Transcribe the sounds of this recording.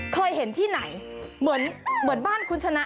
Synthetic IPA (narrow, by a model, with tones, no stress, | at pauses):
kʰɤː˧jhe˩˦nt̪ʰiː˥˩na˩˦jmɯ˩˦ənmɯ˩˦ənbaː˥˩nkʰu˦˥nt͡ɕʰa˧na˦˥